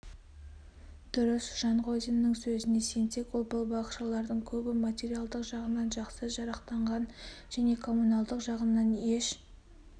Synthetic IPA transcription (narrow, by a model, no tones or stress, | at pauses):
d̪̥ʊɾəsʒ̥ɑɴʁo̞zʲinːəŋsɵzɪne̞se̞nse̞kwolˠbəlˠbɑqʃɑlˠɑɾd̪əɴkʲʰɵbɪmat̪ʲeɾijalˠd̪əqʒɑʁənɑnʒɑqsəʒɑɾɑqt̪ɑɴʁɑnʒæne̞kʰo̞munɑlˠd̪əqʒɑʁənːɑne̞ʃ